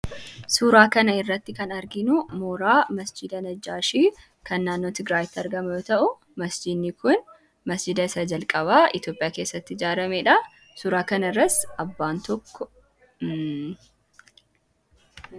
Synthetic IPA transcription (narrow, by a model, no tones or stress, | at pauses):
suːɾaːkɐnɐɪrːɐt̪ːɪkɐnɐɾɡɪnʊmoːɾaːmɐsd͡ʒɪd̪ɐnɐd͡ʒːaːʃiː | kɐnːaːnːoːt̪ɪɡɾaːjɪt̪ːɪɐɾɡɐmɐjoːt̪ɐʔʊ | mɐsd͡ʒɪd̪nːɪkʊn | mɐsd͡ʒɪd̪ɐɪsɐd͡ʒɐlkʼɐβaːʔɪ̰t̪jo̞ːpʼɪjaːke̞ːsːɐt̪ːɪɪd͡ʒaːɾɐmeᶑɐ | suːɾaːkɐnɐɪrːɐsɐbːaːnt̪ɔkːɔ